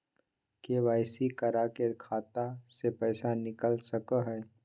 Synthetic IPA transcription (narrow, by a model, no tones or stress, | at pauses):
keʋaːɪsikəɾakeɾkʰaːt̪asepɛːsanɪkəlsəkəɦɛː